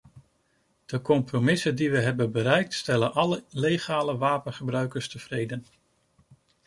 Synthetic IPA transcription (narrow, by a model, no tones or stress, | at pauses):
d̥əkɔmpromɪsəndiʋəɦɛbənbəɾɛjk̚tstɛlənʔɑləlejχaːləʋaːpənχəbrœɥkəɹstəv̥rejdən